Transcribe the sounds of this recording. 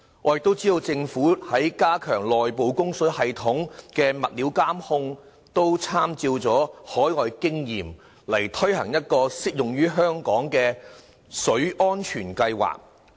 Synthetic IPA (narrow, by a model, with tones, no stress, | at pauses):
ŋʔɔː˨˧jk̚t̪o˥wt͡siː˥d̪o˧wt͡sɪ˧ŋfuː˨˥hɐ˨˥jkaː˥kʰœː˨˩ŋlɔː˨jpo˨˧wkʊ˥ŋsɵ˨˥hɐ˨jt̪ʰʊ˨˥ŋkɛː˧mɐ˨t̚liː˨˥wkaː˥mhʊ˥ŋ | t̪o˥wt͡sʰaː˥mt͡siː˧wt͡sɔː˨˥hɔː˨˥jŋɔː˨˧jkɪ˥ŋjiː˨˩m | lɐ˨˩jt̪ʰɵ˥ɥhɐ˨˩ŋjɐ˥t̚kɔː˧sɪ˥k̚jʊ˨ŋɥyː˥ɦœː˥ŋkɔː˨˥ŋkɛː˧ | sɵ˨˥ʔɔː˥nt͡ʃʰyː˨˩nkɐ˧jwa̰ː˨˩k̚